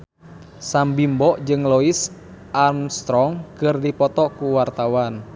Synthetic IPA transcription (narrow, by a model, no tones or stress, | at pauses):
sambimbɔʔd͡ʒɨŋlɔis | ʔanst̪ɾɔŋkɨrdipɔt̪ɔkuwart̪awan